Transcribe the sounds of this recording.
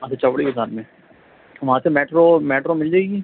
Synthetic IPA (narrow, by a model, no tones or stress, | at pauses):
ɐsʰat͡ʃɐʋɽikɪsaːɾmẽ | ʋɐɦãsemɛːʈɾomɛːʈɾomɪld͡ʒaɛɡiɛː